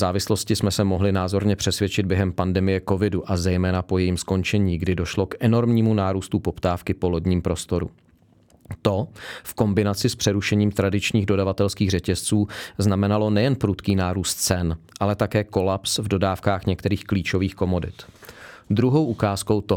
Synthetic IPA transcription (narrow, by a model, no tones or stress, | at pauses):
zaːvɪslo̞scɪsmɛsɛmo̞ɦlɪnaːzo̞ɾɲɛpr̥ɛsvjɛt͡ʃɪd̪̚bjɛɦɛmpandɛmɪjɛko̞vɪduʔazɛjmɛːnapo̞jɛjimsko̞nt͡ʃɛɲiːɡdɪdo̞ʃlo̞kʔɛno̞ɾmɲiːmunaːɾuːst̪upo̞pt̪aːfkɪpo̞lodɲiːmpɾo̞st̪o̞ɾṵ | t̪o̞fko̞mbɪnat͡sɪspr̥ɛɾuʃɛɲiːmt̪ɾadɪt͡ʃɲiːɣdo̞davat̪ɛlskiːɣrɛcɛst͡suːznamɛnalo̞nɛjɛnpɾut̪kiːnaːɾuːst̪̚t͡sɛnʔalɛt̪akɛːko̞lapsvdo̞daːfkaːxɲɛkt̪ɛɾiːxkliːt͡ʃo̞viːxko̞mo̞dɪ̰t̪ | d̪ɾuɦo̞wʔukaːsko̞wt̪o